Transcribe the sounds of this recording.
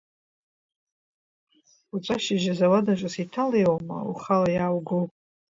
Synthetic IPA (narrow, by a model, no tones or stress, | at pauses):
ut͡ʃʷʼaʃɪʒazawadat͡ʃʷʼasitʰalejwama̰uχalajaːwɡowpʼ